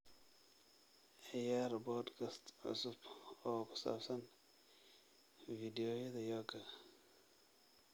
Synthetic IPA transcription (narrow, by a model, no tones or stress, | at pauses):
ʕɪjaːɾbɔd̪kʰɐst̪ʕʊ̰sʊbɔːkʰʊ̥sa̰ːbsɐn | vid̪ɛjɔjɛðɐjɔkʰɐ